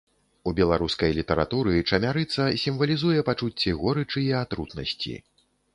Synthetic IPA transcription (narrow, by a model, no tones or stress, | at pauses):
ubʲɛlˠaɾuskɐjlʲit̪ɐɾa̰t̪uɾɨt͡ʂɐmʲaɾɨt̪sɐsʲimvɐlʲizujɛpat͡ʂut͡sʲːɛɣɔɾɨt͡ʂɨjɛat̪ɾut̪nɐ̰sʲt͡sʲḭ